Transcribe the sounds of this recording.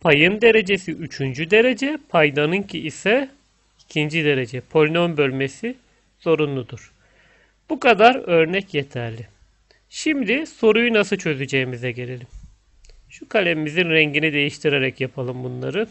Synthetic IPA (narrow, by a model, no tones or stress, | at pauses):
pʰajɯnd̪e̞ɾe̞d͡ʒe̞siʔyt͡ʃʰynd͡ʒyd̪e̞ɾe̞d͡ʒɛpʰajd̪anɯncʰiʔisɛ | icʰind͡ʒid̪e̞ɾe̞d͡ʒɛpʰo̞lʲnonbø̞lʲme̞si | z̥o̞ɾunlˠud̪uɾ̥ | b̥ukad̪aɾø̞ɾnɛcje̞t̪ʰæɾlʲi | ʃimd̪iso̞ɾujunasɯlˠt͡ʃʰø̞zyd͡ʒejimizɛɟe̞lʲe̞lʲim | ʃukʰalʲemimizinɾɛɲɟinid̪e̞jiʃt̪ʰiɾe̞ɾɛcjapʰalˠɯmbunlˠaɾɯ